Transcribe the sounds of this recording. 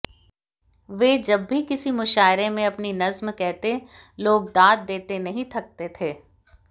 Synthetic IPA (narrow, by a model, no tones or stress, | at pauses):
ʋeːd͡ʒɐbːʱikɪsimʊʃaːɪɾemẽɐpninɐzmkɛɦt̪eloːɡ̚d̪aːd̪̚d̪eːt̪enɐɦĩt̪ʰɐk̚t̪et̪ʰeː